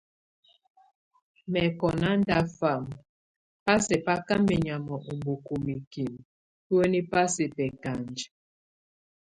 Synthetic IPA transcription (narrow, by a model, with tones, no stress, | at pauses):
mɛ˨kɔ˨na˦n˦da˦fa˨m | pa˦sɛ˨pa˦ka˦mɛ˨ɲa˨mɔ˨ʔu˨mbu˨ku˨mi˨ki˨m | pu˦e˦ni˦pa˦sɛ˨pɛ˨ka˨nd͡ʒ